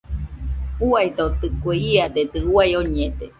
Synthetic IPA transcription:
uait̪ot̪ɨkueiat̪et̪ɨwajoɲet̪e

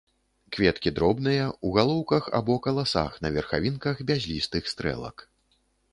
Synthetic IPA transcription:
kvʲɛt̪kʲid̪ɾɔbnɨjɐuɣalˠɔwkɐxa̰bɔkɐlˠasa̰xnɐvʲɛrxa̰vʲinkɐxbʲazʲlʲist̪ɨxst̪ɾɛ̰lˠɐ̰k

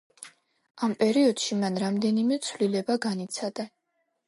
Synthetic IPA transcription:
ampʼɛɾiɔd̪̥ʃimanɾamd̪ɛnimɛt̪sʰvlilɛbaɡanit̪sʰad̪a

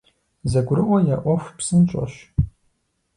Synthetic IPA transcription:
zɐɡʷʊɾɨʔʷɔjaːʔʷɔxʷpsɨnt͡ʃʼɐ̰ɕ

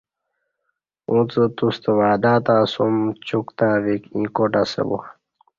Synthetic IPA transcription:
ũt͡sət̪ust̪əʋaːd̪at̪asumt͡ɕukt̪aːʋikĩːkoʈasḛbṵx

